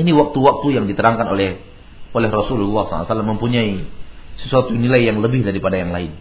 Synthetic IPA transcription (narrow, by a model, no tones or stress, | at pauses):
iniwak̚t̪uwak̚t̪ujaŋdit̪əɾaŋkano̰lɛh | ʔolɛhrosullːasa̰la̰a̰salamːəmpuɲaisəsuat̪unilajːaŋləbɪhdaɾipadajaŋlaɪn